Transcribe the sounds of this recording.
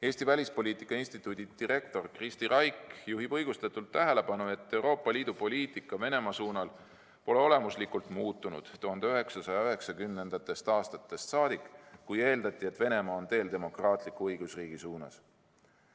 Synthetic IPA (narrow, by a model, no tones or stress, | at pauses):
e̞ːst̪ivælʲispo̞lʲiːt̪ˑikːˑɑinst̪it̪ːˑuːd̪̥ʲid̪̥iɾe̞k̚t̪o̞rkrist̪irʔɑjkjuɦibɤjɡ̥ust̪ɑt̪ːˑult̪ːæɦele̞pɑnue̞t̪ːe̞wɾo̞ːpːˑɑliːd̪̥upo̞lʲiːt̪ˑikːˑɑve̞ne̞mɑsuːnɑl | po̞leo̞le̞muslikˑult̪ˑmuːt̪ːˑunṵd̪̥t̪uhɑnd̪e̞yɦe̞ksɑsɑjɑyɦe̞ksɑkymne̞nd̪̥ɑt̪ːˑe̞st̪ɑːst̪ɑt̪ːˑe̞st̪sɑːd̪ikˑkuje̞ːld̪ɑt̪ːˑie̞t̪ːve̞ne̞mɑːo̞nt̪e̞ːld̪e̞mo̞krɑːt̪ˑlikːuɤjɡ̥usriːɡ̥isuːnɑ̰s